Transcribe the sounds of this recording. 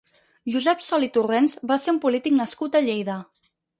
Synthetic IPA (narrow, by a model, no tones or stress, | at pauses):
ʒuzɛpsɔlit̪urenzbaseɾumpulit̪iknəskut̪əʎejðə